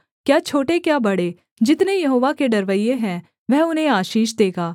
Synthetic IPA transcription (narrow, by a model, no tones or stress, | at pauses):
kjaːt͡ʃʰoːʈekjaːbɐɽeː | d͡ʒɪt̪nejɐɦoːʋakeɖɐɾʋəijeɦɛ̃ː | ʋɛɦʊnɦẽaːʃiːʃd̪eːɡaː